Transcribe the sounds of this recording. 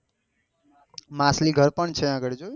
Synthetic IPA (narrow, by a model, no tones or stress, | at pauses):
mãsliɡʱəɾpəɳt͡ʃʰeãɡəɽd͡ʒo